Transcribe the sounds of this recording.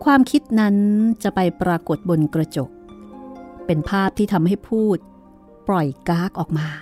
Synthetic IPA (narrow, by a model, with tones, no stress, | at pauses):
kʰwaː˧mkʰi˦˥t̪̚na˦˥nt͡ɕa˨˩pa˧jpɾaː˧ko˨˩t̪̚bo˧nkɾa˧t͡ɕo˨˩k̚ | pe˧npʰaː˥˩p̚t̪ʰiː˥t̪ʰa˧mha˥˩jpʰuː˥˩t̪̚ | pɾɔ˨˩jkaː˦˥k̚ʔɔː˨˩k̚maː˧